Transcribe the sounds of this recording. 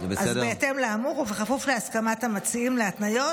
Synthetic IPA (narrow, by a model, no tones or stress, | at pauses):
beazbeːtemleamuʁuveχafufleaskamathamat͡siimleatnajo̞